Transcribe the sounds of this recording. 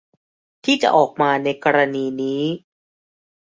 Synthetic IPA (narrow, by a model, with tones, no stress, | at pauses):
t̪ʰiː˥˩t͡ɕa̰˨˩ʔɔː˨˩k̚maː˧na˧jkɔː˧ɾaː˧niː˧niː˦˥